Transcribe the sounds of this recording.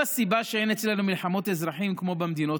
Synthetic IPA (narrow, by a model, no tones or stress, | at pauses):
asibaʃeenet͡slanumilħamo̞t̪ezʁaħimkmo̞bemd̪ino̞